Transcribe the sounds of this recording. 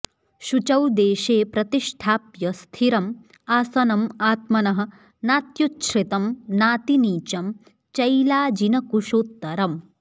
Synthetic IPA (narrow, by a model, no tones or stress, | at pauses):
ʃut͡ʃɐwd̪eːʃeːpɾɐt̪iʃʈʰaːpjɐst̪ʰiɾɐm | aːsɐnɐmaːt̪mɐnɐɦɐ̆ | naːt̪jutʃɾit̪ɐmnaːt̪iniːt͡ʃɐm | t͡ʃɐjlaːd͡ʒinɐkuʃoːt̪ːɐɾɐm